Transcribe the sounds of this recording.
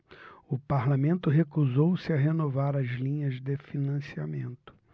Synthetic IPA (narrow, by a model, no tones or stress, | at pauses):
ʊpaɾlamẽnt̪ʊɦekuzowsɪaɦenovaɾɐzlĩɲɐzd̪ɪfinɐ̃siamẽnt̪ʊ̥